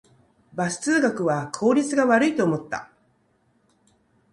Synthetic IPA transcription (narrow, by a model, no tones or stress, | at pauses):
basɨ̥t͡sɨːɡakɯ̟βakʰo̞ːɾʲit͡sɨɡaβaɾɯ̟it̪o̞ːmo̞t̪ːa̰